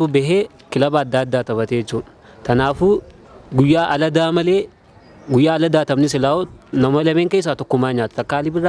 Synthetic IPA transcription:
ubɛɦeː | kɪlɐbaːd̪ːaːɐd̪ːaːt̪ɐβɐt̪et͡ʃːuː | t̪ɐnaːfuː | ɡʊjːaːʔɐlɐd̪aːmɐleː | ɡʊjːaːɐlɐd̪aːt̪ɐmnɪsɪlaːonɐmɐlɐmeːŋkejs̬aːt̪ɔkːʊmːaːɲaːt̪ɐ̥t̪ɐkːaːlɪbɪrːa

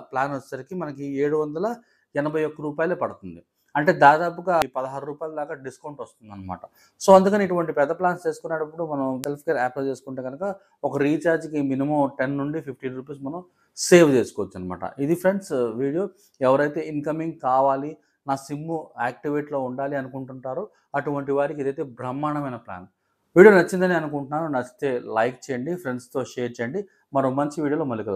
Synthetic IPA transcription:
plaːnʋɐt͡ʃːsɐɾikimɐnɐkieːɽuʋɐnd̪ɐlɐ | ɛnɐbʱɐjokːɐɾuːpaːjlupɐɽut̪und̪i | ɐɳʈe̞ːd̪aːd̪aːp̬uɡaːpɐd̪ɐɦaːɾuɾuːpaːjalɐd̪aːɡaːɖiskɐwuɳʈʋɐst̪und̪ɐnːɐma̰ːʈɐ | so̞ːɐnd̪ukɐniiʈuʋɐɳʈipɛd̪ːɐplaːnst͡ʃe̞ːsu̥kunːaːɽɐpːuɽumɐnɐmselpʰkeːɾaːpɐlt͡ʃe̞ːsu̥kuɳʈeːɡɐnukɐ | ɔkɐɾiːt͡ʃaːɾd͡ʒkiminimɐmʈenːuɳɖipʰipʰʈiːnɾuːpiːsmɐnɐm | se̞ːʋt͡ʃe̞ːsu̥kɔːʋɐt͡ʃːuɐnd̪ɐma̰ːʈɐ̰ʔid̪ipʰɾe̞ɳɖsʋiːɽijo̞ː | ɛʋɐɾɐjt̪e̞ːinkɐmiŋɡkaːʋaːli | naːsimːuaːk̚ʈiʋeːʈlo̞ːuɳɖaːliɐnukuɳʈuɳʈaːɾu | ɐʈuʋɐɳʈiʋaːɾik̬ied̪ɐjt̪eːbɾɐmːaːɳɐmɐjnɐpla̰ːn | ʋiːɽijoːnɐt͡ʃːind̪ɐniɐnukuɳʈunːaːɾunɐst̪e̞ːlɐjk̚t͡ʃeːjɐɳɖipʰɾe̞ɳɖst̪o̞ːʃeːɾt͡ʃeːjɐɳɖi | mɐnɐmmɐɲt͡ʃiʋiːɽioːloːmɐlːikɐl

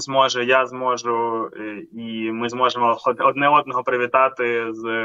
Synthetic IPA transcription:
zmɔʒɛjazmɔʒʊ | imɪzmɔʒemɔɔɔd̪nɛɔd̪̚nɔɦɔpɾɪʋʲit̪ɑt̪ɪz

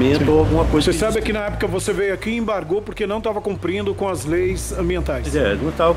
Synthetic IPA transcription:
ẽnt̪oawɡũmɐkojzsesabɪakinɐɛpʊ̥kɐvosevejakiẽbaɾɡopʊɾkenɐ̃w̃t̪avɐkõmpɾĩnd̪ʊkõɐzlejszɐ̃mbiẽnt̪ajszɛnũt̪a

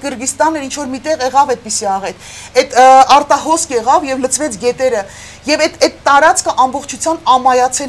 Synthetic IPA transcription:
ɡəɾɡist̪ɑnːɛɾint͡ʃʰvɔɾmit̪ɛʁɛʁɑvɛd̪̚pisiɑʁɛt̪ʰ | ɛt̪ɑɾt̪ɑɦɔskɛʁɑvjɛvlət͡sʰvɛt͡sʰɡɛt̪ɛɾə | jɛvɛt̪ɛt̪ːɑɾɑt͡skʰəʔɑmbɔχt͡ʃʰut͡sʰjɑnɑmɑjɑt͡sʰɛ

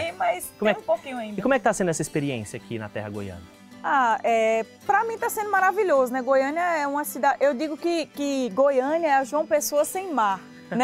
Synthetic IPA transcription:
imɐjskõmeɛ̃j̃ũpokĩɲʊaĩdikomɛkɪt̪asẽd̪ʊɛsɐispeɾiḛ̃sjɐakʰinɐ̰t̪ɛ̰hɐɡo̰jɐ̰̃nɐ | aɛ | pɾɐmĩt̪asẽnd̪ʊmaɾaviʎozʊnɛɡojɐ̃nɐɛũmɐsid̪ad͡ʒʔewd̪iɡʊkɪkɪɡojɐ̃niɐɛɐʒuɐ̃w̃pesoɐsẽj̃maɾ | nɛ

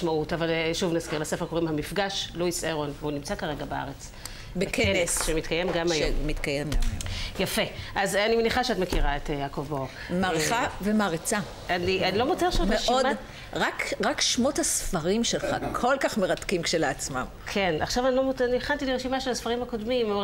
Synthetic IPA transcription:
ʃmautavalʃuvnazkiʁlasefekoʁimhamifɡaʃluiseʁonvunimt͡sakaʁe̞ɡabea̰ʁet͡s | beekʰenesʃemit̪kajemɡamajmit̪kajemamjafe̞ʔazanimeniχaʃeatmekiʁaetjakovbo | maʁeavemaʁit͡sa | aniʔanilo̞mot͡seʃotmeeʃiodma | ʁakʁakʃmot̪asfaʁimʃelχa̰kʰolkaχmeʁat̪kimkʃeleat͡sma̰m | kʰe̞nʔa̰χʃavanilomonieχant̪iliʁeʃimaʃelasfaʁimhako̞dmim

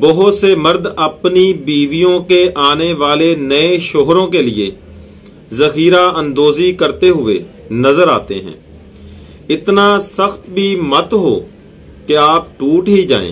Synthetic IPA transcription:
bəɦʊt̪seməɾd̪əpnibiːʋijõkeʔaːneʋaːlenəẽʃoːɦɾõːkeːlɪḛː | zəxiːɾaːə̃nd̪oːzikəɾt̪eɦʊḛː | nəzəɾaːt̪eɦɛ̰̃ː | ɪt̪naːsəxt̪bʱiːmət̪ɦoː | keaːp̚ʈuːʈɦid͡ʒa̰ːḛ̃ː

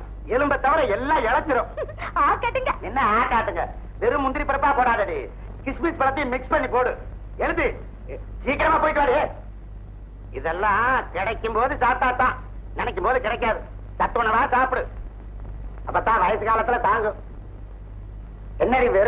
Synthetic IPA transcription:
ɛlɯmbɐt̪ːɐʋɐɾɐɛlːãːɛɭɐt͡ʃːɯɾɯ̃aːkeʈːɯŋɡɐnɪnːɐaːkaːʈːɯŋɡɐ | ʋɛɾɯmʊnd̪ɪɾipːɐɾɐpːaːpoːɽaːðɐɽi | kɪʂmispɐɽɐt̪ːimɪkspɐɳːipoːɽɯ | ɛɻɯt̪ːi | t͡ʃiːkːɐɾɐmaːpoːjkːɐɾaːɽɯeː | ɪðɛlːãːkɪɽɐkʲːɯmboːðɯsaːt̪aːt̪ːãː | nɪnɛk̬ʲːɯmboːðɯkɪɽɐk̬ːaːðɯ | sɐt̪ːɯʋɐnɐʋaːsaːpɯɽɯ | ɐpːɐt̪ːãːʋɐjɐsɯkaːlɐt̪ːɪlɐt̪aːŋɡɯ | ɛnːɐɾiʋɛɾ

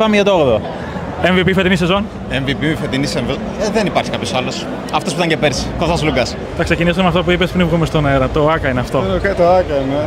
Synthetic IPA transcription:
pɐmeʝɐt̪ooɣðo | eɱvipifet̪inise̞zo̞n | eɱvipifet̪iniseɱvi | ðenipɐɾçikɐpço̞sɐlo̞s | ɐft̪os̬pit̪ɐɲcepeɾsi̥koðɐzluɡɐs | t̪ɐkse̞cinisuemɐft̪op̬uipespinvɣumest̪oneɾɐt̪oɐkɐineɐft̪o̞nokɐt̪oɐkɐine

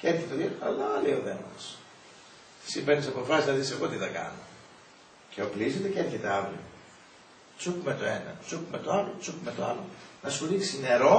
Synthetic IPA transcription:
ceeɾçet̪eðjot̪ɐlɐɐlioðemɐs | sipenisɐpo̞fɐsiznɐðise̞ɣo̞t̪iθɐkɐ̰no̞ | ceoplizet̪eceɾçet̪eɐvɾio | t͡sukumet̪o̞enɐ̰t͡sukumet̪oɐvɾot͡sukumet̪oɐlonɐsoɾisine̞ɾo̞

